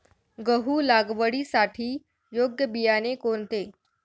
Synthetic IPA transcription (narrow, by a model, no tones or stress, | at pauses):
ɡəɦuːlaɡʋəɽisaʈʰiː | joɡjəbijanekoɳt̪e